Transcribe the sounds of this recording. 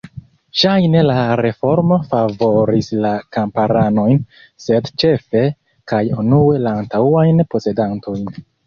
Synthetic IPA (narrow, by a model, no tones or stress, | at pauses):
ʃajne̞laɾe̞fo̞ɾmo̞favo̞ɾislakampaɾano̞jn | se̞dt͡ʃe̞fe̞ | kajunue̞laːntaajnpo̞se̞dantʰo̞jn